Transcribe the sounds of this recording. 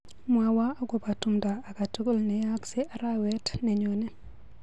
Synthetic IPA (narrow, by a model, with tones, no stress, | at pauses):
mwa˨wa˦a˦ɡo˨pa˨tu˨mdaː˨ka˨to˦ɡo˦lnɛ˨ja˦kse˦ʔa˨ɾa˦wɛ˦tnɛ˨ɲo˨nɛ˦